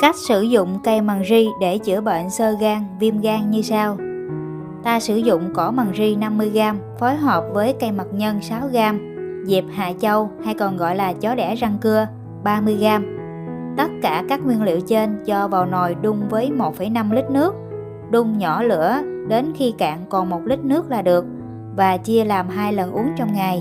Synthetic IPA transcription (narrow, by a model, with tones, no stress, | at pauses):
ka˦˥jk̟̚sɨ˧˩zʊ̰˧˨ŋ͡mka˧˩jma˨˩ŋzi˧ɗe˧˩t͡ɕɨ˧˩əɓə̰ː˧˨nsəː˧ɣaː˧ŋvi˧əmɣaː˧ŋɲɨ˧saː˧w | t̪aː˧sɨ˧˩zʊ̰˧˨ŋ͡mkɔ˧˩˦ma˨˩ŋzi˧na˧mːɨ˧əjɣaː˧mfɔ˨˦jɦɔː˨˩p̚vəː˨˦jka˧jma˨˩t̚ɲə˧nsaː˨˦wɣaː˧m | zi˨˩p̚ha̰ː˧˨t͡ɕə˧wha˧jkɔ˨˩nɣɔ̰˧˨jlaː˨˩t͡ɕɔ˨˦ɗɛ˧˩za˧ŋkɨ˧ə | ɓaː˧mɨ˧əjɣaː˧m | t̪ə˦˥t̚kaː˧˩kaː˦˥k̚ŋwi˧ənlḭ˧˨əwt͡ɕe˧nt͡ɕɔ˧vaː˨˩wno˨˩jɗʊ˧ŋ͡mvəː˨˦jmo˨˩t̚fə˧˩jna˧mlï˦˥k̟̚nɨ˦˥ək̚ | ɗʊ˧ŋ͡mɲɔ˧˩lɨ̰˧˥əɗe˨˦nxi˧ka̰ː˧˨ŋkɔ˨˩nmo˨˩t̚li˦˥k̟̚nɨ˦˥ək̚laː˨˩ɗɨ˨˩ək̚ | vaː˨˩t͡ɕi˧əlaː˨˩mɦaː˧jlə˨˩nʔu˨˦əŋt͡ɕɔ˧wŋ͡mŋa˨˩j